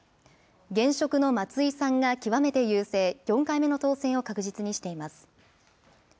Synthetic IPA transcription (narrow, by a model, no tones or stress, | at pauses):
ɡẽ̞ɰ̃ɕo̞kɯ̟no̞mat͡sɨisãŋɡakʲiβame̞t̪e̞jɯːse̞ːjõ̞ŋkaime̞no̞t̪o̞ːsẽ̞ɰ̃o̞kakɯ̟ʑit͡sɨɲ̟iɕi̥t̪e̞imasɨ̥